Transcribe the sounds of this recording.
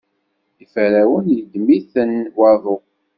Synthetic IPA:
ifəɾæwənjd̪miθənwaðˤo

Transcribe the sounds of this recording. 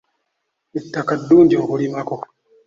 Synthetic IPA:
itːakadundiokoɾimako

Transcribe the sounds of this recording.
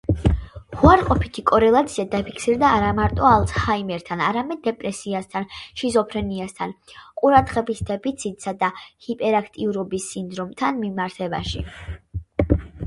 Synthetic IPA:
huaɾqʼɔpʰit̪ʰikʼɔɾɛlˠat̪sʰiad̪apʰikʰsiɾd̪aːɾamaɾt̪ʼɔalˠtshaimɛɾt̪ʰanaɾamɛd̪̚ːɛpʼɾɛsiast̪ʰanʃizɔpʰɾɛniast̪ʰanqʼuɾad̪ʁɛbisd̪̥ɛpʰit̪sʰit̪ʼsad̪ahipʼɛɾakʰt̪ʼiuɾɔbisːind̪ɾɔmt̪ʰanmimaɾt̪ʰɛba̰ʃḭ

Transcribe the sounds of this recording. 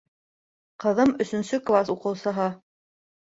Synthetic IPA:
qɤ̆ðɤmɵ̆sɵ̆nsɵklˠasuqɤ̆wsɤ̆ɦɑ

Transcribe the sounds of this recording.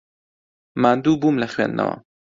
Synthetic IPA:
maːnd̪uːbumlɐxwḛːnd̪nʔɐ̰wɐ̰

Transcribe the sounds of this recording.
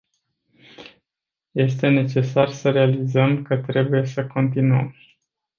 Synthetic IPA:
je̞st̪e̞ne̞t͡ʃe̞sarsəɾe̞alizəmkət̪ɾe̞buje̞səko̞nt̪inuə̰m

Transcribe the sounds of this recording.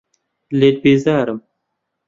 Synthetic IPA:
leːt̪̚bizaːɾɐm

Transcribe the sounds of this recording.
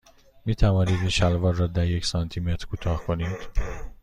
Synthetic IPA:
miːt̪ʰævɒːniːd̪inʃælvɒːɾːɒːd̪æɾjecʰsɒnt̪ʰimet̪ɾ̥kʰut̪ʰɒːhkʰo̞niːd̪̥

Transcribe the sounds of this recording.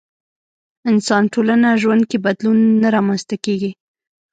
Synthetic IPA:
ɪnsɑnʈolanaʒwand̪̚kebad̪lunːaɾɑmanst̪akeɡi

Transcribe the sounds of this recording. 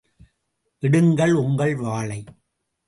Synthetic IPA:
ʔɪɽɯŋɡɐɭʊŋɡɐɭʋaːɭɐɪ

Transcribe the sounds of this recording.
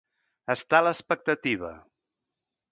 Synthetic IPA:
əst̪aləspək̚t̪ət̪iβ̞ə̰

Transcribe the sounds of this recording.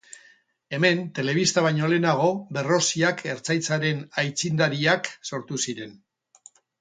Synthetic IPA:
e̞me̞nt̪e̞le̞βist̪aβajɲo̞le̞naɣ̞o̞βe̞ro̞siakʰe̞ɾt͡sajt͡saɾe̞najt͡sind̪aɾiakso̞ɾt̪usiɾe̞n

